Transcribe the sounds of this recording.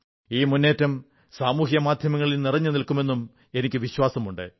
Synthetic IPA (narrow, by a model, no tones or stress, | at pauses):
iːmunːe̞ːtːɐm | saːmuːhjɐmaːd̪ʱjɐmɐŋːɐɭilnirɐɲːɨnilkːume̞nːum | e̞nikʲːɨʋiɕwaːsɐmuɳɖɨ̰